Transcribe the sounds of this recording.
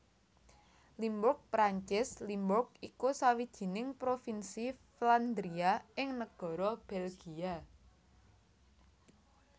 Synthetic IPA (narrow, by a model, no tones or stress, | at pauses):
limbʊk̚pɾaɲt͡ʃɪslimbʊk̚ikusawid̥ʒ̥i̤nɪŋpɾofinsifland̪ɾiaɪŋnəɡ̥ɔ̤ɾɔb̥ɛlɡ̥ia